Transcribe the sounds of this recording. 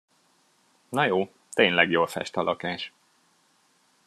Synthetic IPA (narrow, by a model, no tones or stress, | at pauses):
nɒjoː | t̪eːɲlɛɡjoːlfɛ̰ʃt̪ɒlʔɒkaːʃ